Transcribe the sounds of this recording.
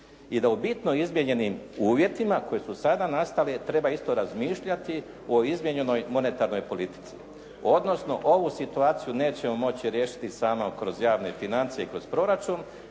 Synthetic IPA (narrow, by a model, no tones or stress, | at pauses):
id̪aubit̪noizmjeɲe̞nimuːʋje̞t̪imako̞je̞susad̪anast̪alet̪ɾe̞baist̪o̞ɾazmiːʃʎat̪i | o̞izmje̞ɲe̞no̞jmo̞ne̞t̪aɾno̞jpo̞lit̪i̥t̪si | o̞d̪no̞sno̞̰ʔo̞ʋusit̪uaːt̪sijune̞ːt͡ɕe̞mo̞mo̞t͡ɕiɾje̞ːʃi̥t̪isaːmo̞kɾo̞zjaːʋne̞finant̪sije̞ikɾo̞zpɾo̞ɾat͡ʃun